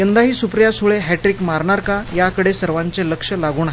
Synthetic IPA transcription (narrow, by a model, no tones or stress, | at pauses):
jənd̪aɦiːsupɾjasuɭeɦɛʈɾikmaɾɳaɾkajakəɽesəɾʋaɲt͡seləkʂəlaɡuːnaɦ